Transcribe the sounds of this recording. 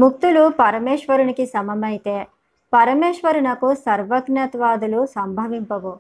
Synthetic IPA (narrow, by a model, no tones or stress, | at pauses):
muk̚t̪ulupɐɾɐmeːʂʋɐɾuɳikisɐmɐmɐjt̪e | pɐɾɐmeːʂʋɐɾunɐkusɐɾʋɐɡnɐt̪ʋaːd̪ulusɐmbʱɐʋimpɐʋu